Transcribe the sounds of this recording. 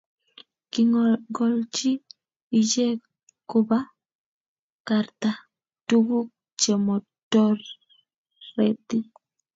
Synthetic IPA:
kiŋɡɔ˨lt͡ʃiː˦˨ | d͡ʒe˦ | kʊ˦ba˦ | ka˨rt̪a˨ | tu˦ɡu˦ | t͡ʃe˨mɔ˨ | tɔ˦rː | e˨t̪i˦

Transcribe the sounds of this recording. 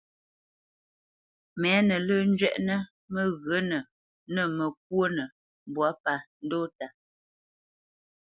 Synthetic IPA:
mɛ˨˦nə˨ləː˦n̩˦d͡ʒɥɛ̰˦ʔnə˦ | mə˦ɣə˨˦nə˨ | nə˨mə˨k̚wo˦nə˨ | bwa˨˦pa˦˨n̩˦do˦ta˨

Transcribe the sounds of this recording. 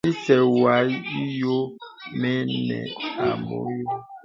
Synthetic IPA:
i˦sɛ˨wa˨˦i˦jo˦mɛ˦nɛ̰˨a˨mo̰˦jo˦

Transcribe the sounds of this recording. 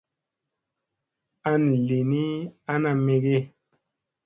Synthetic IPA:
a˦n˨le˨ni˦a˦na˨me˨ɡe˦

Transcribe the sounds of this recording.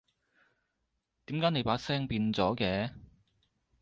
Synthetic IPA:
t̪iː˨˥mkaː˨˥jne˨˧jpaː˨˥sɛː˥ŋpiː˧nt͡sɔː˨˥kɛː˨˥

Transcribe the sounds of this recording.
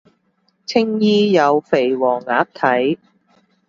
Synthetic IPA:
t͡sʰɪ˥ŋjiː˥jɐ˨˧wfe˨˩jwɔː˨˩ŋːaː˨˥k̚t̪ʰɐ˨˥j

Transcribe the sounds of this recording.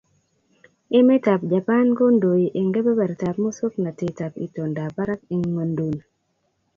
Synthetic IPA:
e˦me˦ta˨pd͡ʒa˨pa˦nko˦ndo˨ji˨ʔe˨ŋɡe˦be˦bɛ˨ɾta˨pmo˦so˦kna˨te˨ta˨pḭ˨to˨nda˨pa˦ɾa˦k̚e˨ŋwə˨ndu˨n

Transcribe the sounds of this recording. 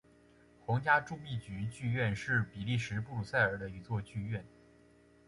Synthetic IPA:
xʊ˧˥ŋt͡ɕja˥ʈ͡ʂu˥˧pi˥˩t͡ɕy˧˥t͡ɕy˥˧ɥɛ˥˧nʂɻ̩˥˩pi˨˩li˥˩ʂɻ̩˧˥pu˥˩lu˨˩sa˥˩ɪə˞˨˩d̪ə˦i˧˥t͡swɔ˥˧t͡ɕy˥˧ɥɛ˥˩n

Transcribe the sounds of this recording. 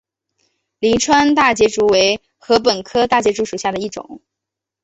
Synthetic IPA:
li˧˥nʈ͡ʂʰwa˥nt̪a˥˩t͡ɕjɛ˧˥ʈ͡ʂu˧˥we˧˥ɪ | xɤ˧˥p̬ə˨˩nkʰɤ˥t̪a˥˩t͡ɕjɛ˧˥ʈ͡ʂu˧˥ʂu˨˩ɕja˥˩d̪ə˩i˥˩ʈ͡ʂʊ̰˨˩˦ŋ

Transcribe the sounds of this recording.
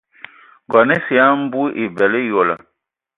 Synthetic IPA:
ɡɔ˨nɛ˦si˨a˦m̩˦bu˦ʔi˨bɛ˨le˦jo˨la̰˨

